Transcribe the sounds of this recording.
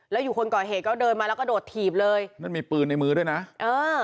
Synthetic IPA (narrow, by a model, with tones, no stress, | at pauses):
lɛː˦˥wjuː˨˩kʰo˧nkɔː˨˩ɦeː˨˩t̪̚kɔː˥˩dɤː˧nmaː˧lɛ˦˥kɔ˥˩doː˨˩t̪ʰːiː˨˩p̚lɤː˧jna˥˩nmiː˧pɯː˧nːa˧jmɯː˦˥ɾu˥˩əjna˦˥ʔʔɤː˧